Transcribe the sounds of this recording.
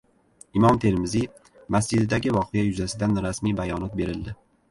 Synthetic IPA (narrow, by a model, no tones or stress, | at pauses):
ɪmɒmt̪ʰe̞lmɪzi | mas̬d͡ʒɪd̪ɪd̪aɡʲɪvɒqʰɨjajʊzasɪd̪anɾasmijbajɒnɒt̪̚be̞ɾɪld̪ɪ